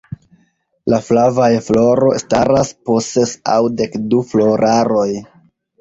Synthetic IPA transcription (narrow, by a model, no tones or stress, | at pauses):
laflavajflo̞ɾo̞staɾasposse̞sa̰wde̞kduflo̞ɾaɾo̞j